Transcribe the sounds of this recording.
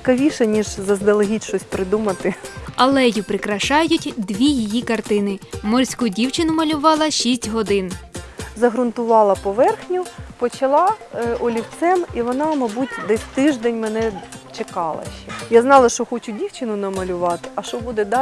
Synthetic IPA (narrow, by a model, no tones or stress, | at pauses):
t͡sʲɪkɐʋʲiʃɛnʲiʒzɐzd̪ɐlˠeɦʲitʲʃɔsʲpɾɪd̪umɐt̪ɪɐlˠɛjʊpɾɪkɾɐʃɑjʊtʲd̪ʋʲijijikɐrt̪ɪnɪmɔrʲsʲkudʲiwt͡ʃɪnʊmɐlʲʊʋɑlˠɐʃisʲtʲɦɔd̪ɪnzɐɦɾʊnt̪ʊʋɑlˠɐpɔʋɛrxnʲʊpɔt͡ʃɐlˠɑɔlʲiwt̪sɛmiʋɔnɑmɐbutʲd̪ɛsʲt̪ɪʒd̪ɛnʲmenɛt͡ʃekɑlˠɐ̰ʃɛjaznɑlˠɐʃt͡ʃɔxɔt͡ʃʊdʲiwt͡ʃɪnʊnɐmɐlʲʊʋɑt̪ɪ̥ʔɐʃɔbud̪ɛd̪ɑ